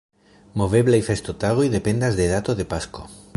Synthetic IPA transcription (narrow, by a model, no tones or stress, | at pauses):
mo̞ve̞βlajfest̪ot̪aɣojðe̞pe̞nd̪azd̪e̞ðat̪oðe̞pasko